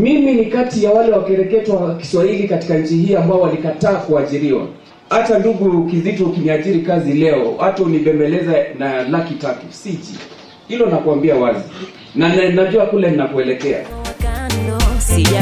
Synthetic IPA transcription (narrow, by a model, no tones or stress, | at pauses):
miminikatijawalɛwakɛɾɛkɛtwaki̥swahilikati̥kaɲ̩t͡ʃihiːambaɔwalikataːkuaʄiɾiwa̰ | hatanduɡukizitɔukiniaʄiɾikazilɛɔwatɔuliɓɛmbɛlɛzanalakitatusit͡ʃi | hilɔnakuambiawazi | nanɛnaʄuakulɛninapɔɛlɛkɛa̰